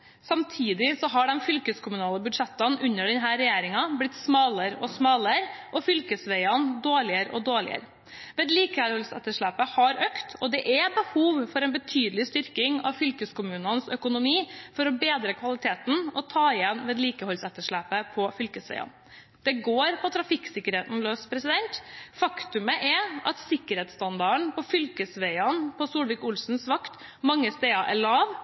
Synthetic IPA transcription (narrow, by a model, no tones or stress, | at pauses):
sɑmt̪ʰiːd̪ɪsɔɦɑɖɛnfʏlkəskʰʊmʉnɑːləbʉd̪ʂɛt̪ːɑnʔʉnːəɖɛnɦæːɾɛjeːɾɪŋɑblɪt̪ːsmɑːləɾɔsmɑːləɾʔɔfʏlkəsʋæɪɑnd̪oːɭɪəɾʔɔ̰d̪oːɭɪ̰ə̰ɾ | ʋeːd̪liːkəhɔlsɛ̰t̪ːəʂɭæːpəhɑɾøːkt̪ʰɔd̪ɛʔɛbəhuːʋfɔɾɛnbət̪ʰyːd̪əlɪst̪ʏɾkɪŋɑ̰ʋfʏlkəskʊmʉːnənsœkʊnʊmiːfɔɾɔbeːd̪ɾəkʰʋɑlɪt̪ʰeːt̪n̩ɔt̪ʰɑːɪjɛnʋeːd̪liːkəhɔlsɛt̪ːəʂɭæːpəpʰɔfʏlkəsʋɛ̰ɪɑ̰n | d̪̥ɛɡoːɾpʰɔt̪ʰɾɑfɪksɪkːəɾheːt̪n̩løːspʰɾɛsɪd̪ɛnt̪fɑkt̪ʉməʔɛɑt̪sɪkːəɾheːt̪st̪ɑnd̪ɑəɳpʰɔfʏlkəsʋɛɪɑnpʰɔsuːlʋɪkʊlsn̩sʋɑkt̪ | mɑŋːəst̪eːɑʔɛ̰ɭɑːʋ